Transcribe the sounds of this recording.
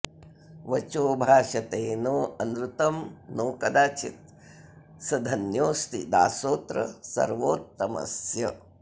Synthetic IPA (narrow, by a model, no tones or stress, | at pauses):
ʋɐt͡ʃoːbʱaːʃɐt̪eːnoːɐnɾut̪ɐmnoːkɐd̪aːt͡ʃit̪̚ | sɐd̪ʱɐnjoːst̪id̪a̰ːsoːt̪ɾɐ̰sɐ̰ɾʋoːt̪ːɐmɐ̰sjɐ